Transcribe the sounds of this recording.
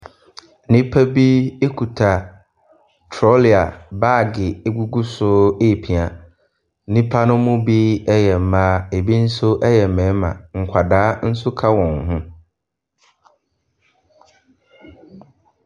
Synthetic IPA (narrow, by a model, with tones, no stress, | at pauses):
nĩ˦pʰa˦bi˦e˦kʰu˨tʰa˨ | tʰɾɔ˦li˨a˨ba˦˨ɡɪ˨e˦ɡu˦ɡu˦sʊ˦e˦˨pʰi˨a˨˦ | nĩ˦pʰa˦nʊ̃˦mʊ̃˦bi˦ɛ˦jɛ˨m̩˨mã˦e˨bi˦n̩˦sʊ˦ʔɛ˦jɛ˨mɛ̃˨˦mã̰˨ŋ̩˨kʷʰa˨daː˨˦n̩˦sʊ˦kʰa˦wɔ̃˨ŋ˨ɦʊ̃˦